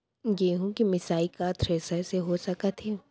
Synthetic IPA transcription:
jeːɦũkimɪsaːikat̪ʰɾeːsəseɦosɐkət̪ʰɦẽ

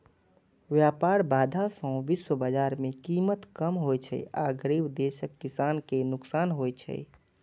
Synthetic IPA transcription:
ʋjapaːɾbaːd̪ʱasə̃ʋiswəbad͡ʒaːɾmẽkiːmət̪kəmɦojt͡ʃʰɛ̰a̰ɡɾiːbd̪eːʃəkːɪsaːnkenʊksaːnɦojt͡ʃʰɛ̰

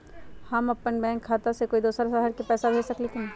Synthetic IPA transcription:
hɐmɐpːənbɛ̃ːŋkʰːaːt̪asekoːid̪oːsəɾsaɦəɾkepɛːsabʱeːsɐklet̪ʰe

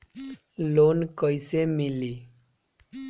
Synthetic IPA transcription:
lonkʌjsemili

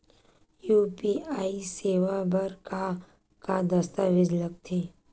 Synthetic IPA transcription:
juːpiaːiseːʋabɐɾka | kad̪ɐst̪aʋɪd͡ʒlək̚t̪ʰeː

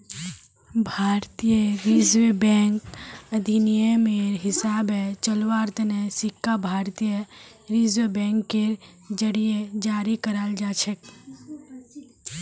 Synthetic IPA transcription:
bʱaːɾt̪ijəɾizʋebɛ̃ŋkəd̪ʱinijəmeɾɦɪsaːbet͡ʃəlʋaɾt̪nesɪkːabʱaːɾt̪ijə | ɾizʋebɛ̃ŋkːeɾ | d͡ʒəɽijed͡ʒaːɾikəɾald͡ʒaːt͡ʃʰɛk

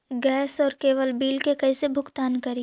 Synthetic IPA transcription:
ɡɛːsɔːɾkeːʋəlbiːlkekɐisebʱʊkt̪aːnkɐɾi

